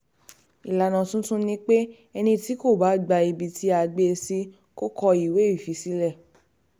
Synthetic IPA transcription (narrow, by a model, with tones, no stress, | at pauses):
i˨la˨nã˨tũ˦tũ˦nĩ˦k͡pe˦ | ɛ˧nĩ˧ti˨˦ko˦˨ba˨˦ɡ͡ba˧i˧bi˨˧tʰi˦a˧ɡ͡be˧si˦ | ko˦kɔ˧i˨we˨˦i˦˨fi˨˦si˦lɛ˦˨